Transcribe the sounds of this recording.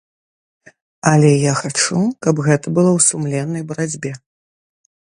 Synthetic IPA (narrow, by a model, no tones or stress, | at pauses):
ɐlʲɛjaxat͡ʂukɐbɣɛt̪ɐbɨlˠɔwsumlʲɛnːɐjbɐɾad͡zʲbʲɛ